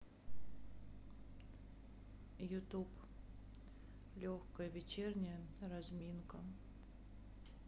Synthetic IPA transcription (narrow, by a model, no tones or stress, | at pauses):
jʊt̪up | lʲoxkəjəvʲɪt͡ɕernʲɪjəɾɐzmʲinkə